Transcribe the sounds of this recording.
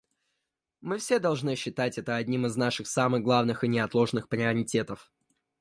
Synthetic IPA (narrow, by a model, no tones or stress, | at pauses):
mɨfsʲe̞d̪ɐlˠʐnɨɕːɪt̪atʲɛt̪əɐdʲnʲimɨznaʂɨxsamɨɣɡlˠavnɨxɨnʲɪɐt̪lˠo̞ʐnɨxpɾʲɪɐɾʲɪtʲe̞t̪əf